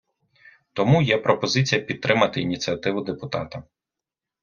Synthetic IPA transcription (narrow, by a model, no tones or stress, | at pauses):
t̪ɔmujɛpɾɔpɔzɪt͡sʲijɐpʲid̪t̪ːɾʔɪmɐt̪ɪinʲit͡sʲijɐt̪ɪʋʊd̪epʊt̪ɑt̪ɐ